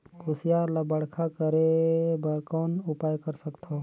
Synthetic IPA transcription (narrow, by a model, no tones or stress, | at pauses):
kʰʊsjalɐbɐɽkʰakəɾebəɾkɔːnʊpaːjkəɾsəkt̪ʰoː